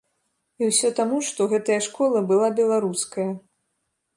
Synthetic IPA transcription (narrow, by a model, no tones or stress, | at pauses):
iwsʲɔt̪amuʂt̪ɔɣɛt̪ɐjɐʂkɔlˠɐbɨlˠabʲɛlˠaɾuskɐjɐ